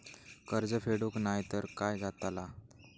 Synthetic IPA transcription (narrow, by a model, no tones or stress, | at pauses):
kəɾd͡zəfeɽuknajt̪əɾkajɡʱat̪ala